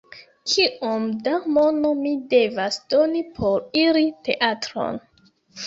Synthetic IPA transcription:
kʰiʔomdamo̞no̞mide̞vasd̥o̞nipʰo̞ɾiɾite̞̰ʔatɾo̞̰n

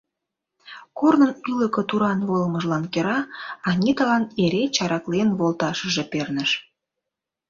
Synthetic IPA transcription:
kornənyləkə̆t̪uɾɑnβolməʒlɑnkeɾɑɑnʲit̪ɑlɑneɾet͡ɕɑɾɑklenβolt̪ɑʃəʒepernə̆ʃ

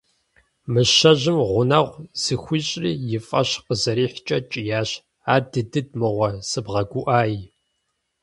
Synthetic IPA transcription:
mɨʃɐʑɪmʁʷʊnɐʁʷz̥ɨxʷiːɕʼriːjɪfʼɐɕqəzɐɾiːħt͡ʃʼɐt͡ʃʼɪjaːɕ | aːdɨdɨd̚mɨʁʷɐsɨbʁɐɡʷuʔaːj

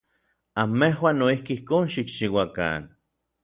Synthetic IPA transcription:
amːehwaːnːoihkiihkoːnʃikt͡ʃiwaka̰n

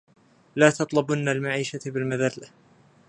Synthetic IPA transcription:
laːt̪ɑt̪ˤlʊbʊnːalmaʕiːʃabɪlmaðalːa

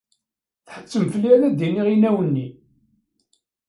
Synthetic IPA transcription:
θħə̥t͡sːəmfəlːilæd̪iniʁinæwənːi

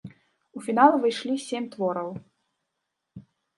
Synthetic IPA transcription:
ufʲinalˠvɨjʂlʲisʲemʲt̪vɔɾɐw

